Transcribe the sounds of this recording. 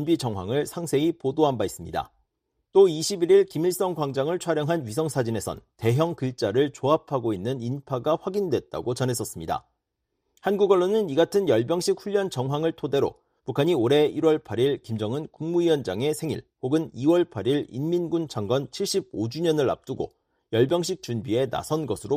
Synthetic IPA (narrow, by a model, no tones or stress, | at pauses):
nbid͡ʑʌŋɦwa̰ŋɯɭsʰaŋsʰe̞ipodoɦambais͈ɯmɲida̰ | t͈oiɕʰibiɾiɭkimiɭs͈ʌŋɡwaŋd͡ʑaŋɯɭt͡ɕʰwaɾjʌŋɦanɥisʰʌŋsʰad͡ʑine̞sʰʌ̰nte̞ɦjʌŋkɯɭt͡ɕ͈aɾɯɭt͡ɕoapʰaɡoinːɯninpʰaɡaɸwaɡindwe̞t̚t͈a̰ɡot͡ɕʌnɦe̞s͈ʌs͈ɯmɲida̰ | hanɡuɡʌɭːonɯniɡatʰɯnjʌɭbjʌŋɕʰik̚ɸuʎːʌnt͡ɕʌŋɦwaŋɯɭtʰode̞ɾo̰ | pukʰaɲioɾe̞iɾwʌɭpʰaɾiɭkimd͡ʑʌŋɯnkuŋmuiʌnd͡ʑa̰ŋe̞sʰe̞ŋḭɭɸoɡɯniwʌɭpʰaɾiɭḭnminɡunt͡ɕʰaŋɡwʌnt͡ɕʰiɭɕ͈ib̚od͡ʑuɲʌnɯɭa̰p̚t͈uɡo̰ | jʌɭbjʌŋɕ̬ʰik̚t͡ɕ͈unbie̞na̰sʰʌnɡʌsʰɯɾo